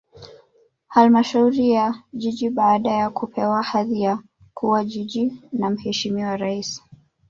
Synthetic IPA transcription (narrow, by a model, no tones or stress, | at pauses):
halmaʃauɾijaʄiʄiɓaːɗajakupʰɛwahaðia | kʰuwaʄiʄinam̩hɛʃimiwaɾaisi̥